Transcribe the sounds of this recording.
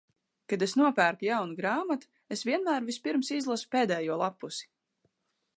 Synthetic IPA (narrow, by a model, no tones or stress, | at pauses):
kad̪esnuɔpæːɾk̪ujawnuɡɾaːmat̪u̥ | esvʲiɛnmæːɾvispiɾmsizlˠasu̥peːd̪ɛːjuɔlˠapːusi̥